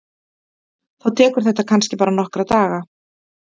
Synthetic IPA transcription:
θawt̪ʰɛːkʏɾ̥θɛht̪ːakʰanscɪpaːɾanɔhkɾat̪aːɣa

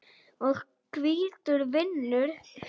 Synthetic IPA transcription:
ɔɣ | kʰviːt̪ʏɾvɪnːʏɾ̥

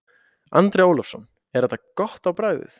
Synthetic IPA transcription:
ant̪ɾejoːwlɔfsɔn | ɛɾɛht̪ːakɔht̪awpɾaːjðɪ̰θ

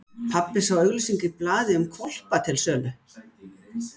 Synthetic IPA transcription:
pʰapːɪsawœɥɣlʏsiɲcɪplaːðɪʏmkʰɔl̥pat̪ʰɪlsœːlʏ

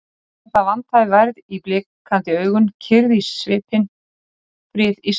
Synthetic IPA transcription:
ɛθavant̪ʰajvaɾðiplɪːkʰːant̪ɪœːɥɣʏncʰɪɾðisvɪːpʰɪn | fɾɪːðis

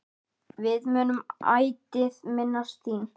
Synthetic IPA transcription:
vɪðmœːnʏma̰ːjt̪ɪðmɪnːast̪θiːn

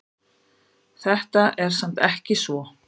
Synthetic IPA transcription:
θɛht̪aʔɛɾ̥sam̥t̪ɛhcɪsvɔ

